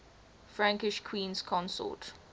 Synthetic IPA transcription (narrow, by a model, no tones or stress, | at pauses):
fɹãŋkɪʃkʰwĩːnskʰɔ̃nsɔ̰t